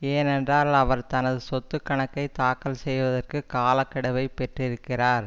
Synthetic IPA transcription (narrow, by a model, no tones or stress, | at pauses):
eːnɛndraːlɐʋɐɾt̪ɐnɐðɯsɔt̪ːɯkːɐɳɐkːɐɪt̪aːkːɐlsɛjʋɐðɐrkɯkaːlɐkːɐɽɐʋɐɪpɛʈrɪɾɯkːɪraːɾ